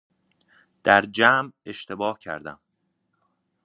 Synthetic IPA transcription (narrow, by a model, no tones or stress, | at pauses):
d̪̥æɾd͡ʒæːme̞ʃt̪e̞bɒːhcʰæ̰ɾd̪æ̰m